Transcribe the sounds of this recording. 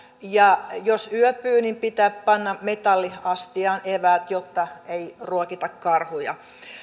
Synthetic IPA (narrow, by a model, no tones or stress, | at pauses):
jɑjosyœpyːnimpit̪æːppɑnːɑmet̪ɑlːiɑst̪iɑːnʔeʋæːt̪jot̪ːɑeiruokit̪ɑkkɑrhujɑ̰